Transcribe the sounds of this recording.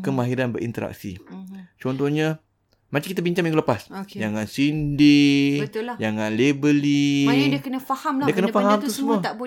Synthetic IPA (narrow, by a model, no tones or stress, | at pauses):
kəmaɦiɾanbə̰ɾḭnt̪əɾa̰k̚sḭt͡ʃɔnt̪oɲa | mat͡ʃaŋkit̪abiɲt͡ʃãŋmjaŋɡuləpaskd͡ʒaŋansindiət̪d͡ʒaŋanlebəlidikənəfahamliəkənəfaɦamt̪usəmuaabo